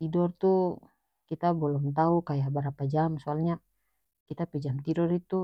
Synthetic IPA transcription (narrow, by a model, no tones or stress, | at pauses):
t̪idɔrt̪u | kit̪abɔlɔmt̪aukajabaɾapad͡ʒamsualɲa | kit̪apɛd͡ʒamt̪idɔrit̪u